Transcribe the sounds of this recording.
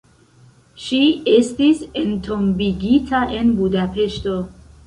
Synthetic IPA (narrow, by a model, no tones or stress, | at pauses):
ʃiest̪isent̪ʰombiɡit̪ʰaʔenbud̪apʰeʃt̪o